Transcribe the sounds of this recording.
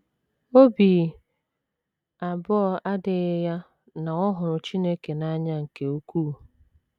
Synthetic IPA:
o˦biː˨ | a˨bɔ˦ɔ˦˨ʔa˦dɪ˨ɪ˦ja˦ | na˨ŋɔ˦ɦʊ˨ɾʊ˨t͡ʃi˦ne˦ke˨na˦ɲa˦ŋ̩˨ke˨u˦kuː˦˨

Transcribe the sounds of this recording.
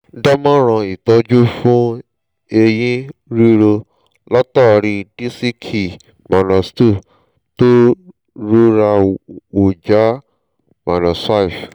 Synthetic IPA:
da˦mã˦ɾ̃ã˧i˨tɔ̃˧˦d͡ʒu˦fũ˦ | e˧jĩ˦ɾi˦ɾo˧ | la˦tɔ˦˨˧ɾĩ˧di˦si˦kʰi˨ | ma˨nã˨stu˦˨ | to˦ | ɾu˦ɾa˧o˨d͡ʒa˨˦ | ma˨nã˨sa˦i˨f

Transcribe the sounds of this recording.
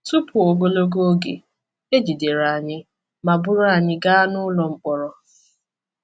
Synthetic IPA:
tu˦pʰʊ˨o˨ɡo˦lo˦ɡo˦ɡḛ˨ | e˦d͡ʒi˨de˨ɾa˨a˨ɲɪ˦ | ma˨bʊ˦ɾa˦a˨ɲɪ˦ɡa˦a˦nʊ˦lɔ˨ŋ͡m̩˦k͡pɔ˨ɾɔ˦

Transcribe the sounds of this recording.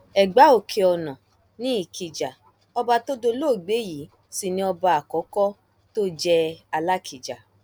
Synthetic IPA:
ɛ˨ɡ͡ba˨˦o˦˨kʰe˧ɔ˧nɔ̃˨ | nĩ˦i˦˨kʰi˨d͡ʒa˨ | ɔ˧ba˧to˦do˧lo˦˨ɡ͡be˨˦ji˨˦ | si˨nĩ˧ɔ˧ba˧˦a˨kɔ˨˦kɔ˦ | to˦d͡ʒɛ˧a˧la˦kʰi˨d͡ʒa˨

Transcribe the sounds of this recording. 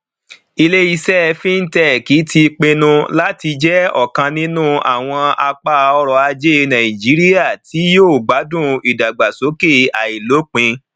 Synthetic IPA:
i˧le˦i˧sɛ˦˧fĩ˦n̩˦tɛ˦˨ki˨˦ti˧k͡pe˧nũ˧la˦ti˧d͡ʒɛ˦ɔ˨kã˧nĩ˦nũ˦˨a̰˨w̃ɔ̃˧a˧k͡pa˦˧ɔ˧ɾɔ˨˧a˧d͡ʒe˦˧nã˨ĩ˨d͡ʒi˨˦ɾi˦ja˦˨tʰi˨˦joː˦˨ɡ͡ba˨˦dũ˦˨i˨da˨ɡ͡ba˨so˨˦ke˦˨a˨i˨lo˨˦k͡pĩ˧

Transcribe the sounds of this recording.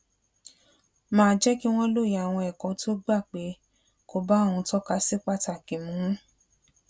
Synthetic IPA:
mãː˦˧d͡ʒɛ˦ki˦w̃ɔ̃˦lo˦˨ja˨w̃ɔ̃˧ɛ˨kɔ̃˨˧tʰo˦ɡ͡ba˦˨k͡pe˨˦ | ko˦˨ba˦o˦˨w̃ũ˧tɔ˦ka˧si˦k͡pa˦˨ta˨kĩ˨mũ˨˦

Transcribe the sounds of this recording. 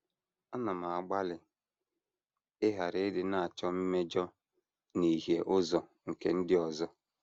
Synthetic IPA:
ɔ˦na˨ma˨a˨ɡ͡ba˦lɪ˨ | ɪ˦ɦa˨ɾɪ˦dɪ˦na˦˨a˨t͡ʃɔ˦m̩˦me˦d͡ʒɔ˦ | ni˨ɦje˨ʔʊ˦zɔ˨ | ŋ̩˨ke˨n̩˦dɪ˦ɔ˨zɔ˦

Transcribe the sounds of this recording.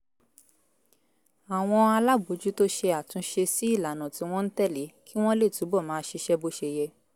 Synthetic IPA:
a˨w̃ɔ̃˧a˧la˦bo˨˦d͡ʒu˦to˦ʃe˧a˨tũ˨˧ʃe˧si˦i˦˨la˨nã˨tĩ˨˦w̃ɔ̃˦n̩˦tɛ˦˨le˨˦kʰi˦w̃ɔ̃˦le˦˨tu˨˦bɔ˦˨mãː˨˦ʃe˧ʃɛ˦bo˦ʃe˧jɛ˧

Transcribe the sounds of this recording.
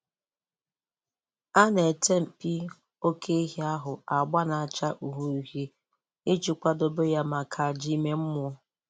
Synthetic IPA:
a˦ne˨te˦m̩˨pi˦ | o˦kʰe˦i˦ɦi˦a˦ɦʊ˨a˨ɡ͡ba˦na˨a˨t͡ʃa˦ʔu˨ɦu˨ɾu˨ɦi˦ | i˦t͡ʃu˨kʷa˦do˨bo˦ja˦ma˨kʰa˨a˨d͡ʒi˦me˦m̩˦mʊ˨ɔ˦

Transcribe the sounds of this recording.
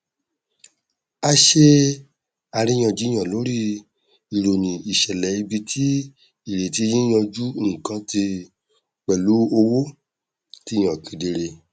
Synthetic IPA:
a˧ʃe˦ | a˧ɾĩ˦j̃ã˧˨d͡ʒĩ˦ã˨lo˨˦ɾi˦ | i˨ɾo˨nĩ˨i˨ʃɛ˨lɛ˨i˧bi˧tʰi˦ | i˨ɾe˨ti˧˦˧jĩ˦j̃ã˧d͡ʒu˦ŋ̩̃˨kã˨˧˦ti˧ | k͡pɛ˨lu˨˦o˧wo˦ | ti˧˦˧j̃ã˨kĩ˨˦de˧ɾe˧

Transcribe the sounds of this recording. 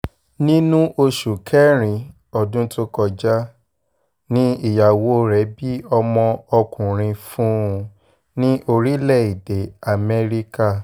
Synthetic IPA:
nĩ˦nũ˦ʔo˧ʃu˨kʰɛ˦ɾ̃ĩ˧ | ɔ˨dũ˦to˦kɔ˧d͡ʒa˦ | nĩ˦i˦˨ja˨wo˨˦ɾɛ˨˦bi˦ɔ˧mɔ̃˧ɔ˧kũ˨ɾ̃ĩ˧fũ˦˧ | nĩ˦ʔo˧ɾi˦lɛ˦˨i˨de˨˦a˨mɛ˦ɾi˦ka˦˨

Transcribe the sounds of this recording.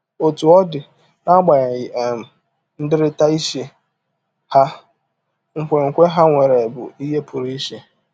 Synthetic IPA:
o˨tu˨ɔ˦dɪ˨ | na˦ɡ͡ba˨ɲa˨ɣɪ˨m̩˨ | n̩˦dɪ˦ɾɪ˦ta˦i˦ʃe˦ | ha˦ | ŋ̩˦kʷe˨ŋ̩˨kʷe˦ɦa˦ŋʷe˨ɾe˨bʊ̰˨i˦ɦe˦pʊ˨ɾi˦i˦ʃe˦

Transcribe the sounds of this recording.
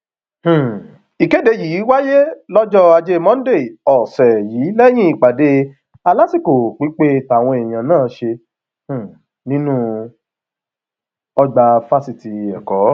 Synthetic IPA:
h̩˨ | i˨ke˨˦de˧jiː˨˦wa˦je˦lɔ˦d͡ʒɔ˦a˧d͡ʒe˦˧mɔ̃˦n̩˦de˦˨ɔ˨sɛ˨jiː˨˦lɛ˦j̃ĩ˦i˨k͡pa˨de˧ | a˧la˦ti˦˨ko˨k͡pi˨˦k͡pe˦˨ta˨w̃ɔ̃˧ɛ˨j̃ã˨nãː˦˨˧ʃe˧ | h̩˨ | nĩ˦nũ˦ | ɔ˧ɡ͡ba˧fa˦si˧ti˧˨ɛ˨kɔ˨˦

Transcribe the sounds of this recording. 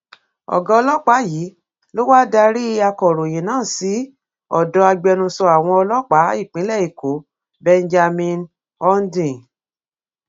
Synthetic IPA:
ɔ̰˨ɡã˧ɔ˧lɔ˦k͡pa˨˦jiː˨˦ | lo˦wa˦da˧ɾi˦a˧kɔ˨ɾo˨j̃ĩ˨nãː˦˨si˨˦ | ɔ̰˦˨dɔ˧˦a˧ɡ͡bɛ˧nũ˧sɔ˧a˨w̃ɔ̃˧ɔ˧lɔ˦k͡pa˨˦i˦˨k͡pĩ˨˦lɛ˦˨i˨ko˨˦ | bɛ˧nd͡ʒa˧mĩ˧n | ɔ˦n˦dĩ˨

